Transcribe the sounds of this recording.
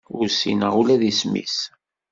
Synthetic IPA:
ʊɾsḭnəulæðismḭs

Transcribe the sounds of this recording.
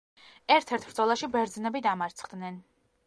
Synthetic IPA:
ɛɾt̪ʰɛɾt̪ʰɾd̪zɔlˠaʃibɛɾd̪znɛbid̪amaɾt̪sʰχd̪nɛn

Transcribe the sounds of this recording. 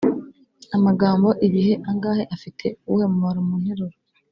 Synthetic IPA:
amaɡaːmbo̞ʔiβihe̞ʔaŋɡaːhe̞ʔafitʰe̞uhe̞muaɾomunheɾoɾo

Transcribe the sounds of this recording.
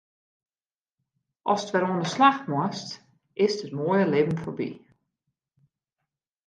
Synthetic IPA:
ʔɔ̰sətʋɛɾuəndəslaxmwast | ʔɪstətmoːjəlɪbn̩fobḭ

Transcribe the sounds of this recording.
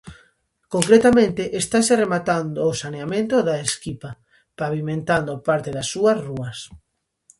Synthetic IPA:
koŋkɾet̪amẽnt̪eʔest̪aseremat̪and̪oːsaneamẽnt̪oðaeskipa | paβimẽnt̪and̪opaɾt̪eðasːuɐsruɐs

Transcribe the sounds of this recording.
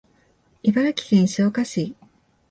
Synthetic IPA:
ibaɾakʲi̥kẽɲ̃ɕiokaɕiː

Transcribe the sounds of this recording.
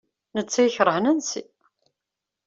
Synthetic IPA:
nət͡sːæjçɾˤəhnænsḭ

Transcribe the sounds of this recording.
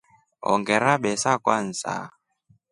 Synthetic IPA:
ɔ̰ŋɡɛɾaɓɛsakwan̩sa̰

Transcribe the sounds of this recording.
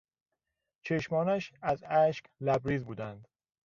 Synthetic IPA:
t͡ʃʰeʃmɒːnæʃæzæʃklæbɾiːzbuːd̪ænd̪

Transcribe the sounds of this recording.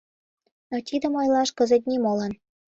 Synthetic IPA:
not̪id̪ə̆mɑjlˠɑʃkə̆zə̆t̪̬̚ʲnʲimolɤn

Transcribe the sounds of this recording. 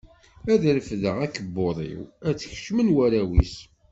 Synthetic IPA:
æðɾəfðəʁækːəbːoðˤḭwæt͡sːəç̥ʃmənwæɾæwḭs

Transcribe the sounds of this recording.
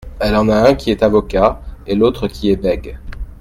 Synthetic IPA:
ɛlɑ̃naɛ̃kʲiɛt̪avɔkaelot̪χəkʲʰiɛbɛɡ

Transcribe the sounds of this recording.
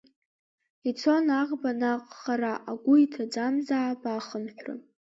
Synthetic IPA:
it͡sʰo̞naʁbanaqʼχaɾaʔaɡʷʊitʰad͡zamzaʕapaχənħʷᶣrɨ̰

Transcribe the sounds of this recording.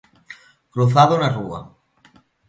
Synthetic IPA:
kɾuθaðonarṵa̰

